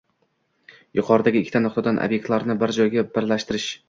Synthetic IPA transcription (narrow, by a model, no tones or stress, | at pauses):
jʊqʰɒɾɪd̪aɡʲɪːkʲʰːɪt̪ʰanʊqt̪ad̪anʔo̰bje̞k̚ʲt̪laɾnɪbɪɾd͡ʒɒjɡʲabɪɾlaʃt̪ɪɾɪʃ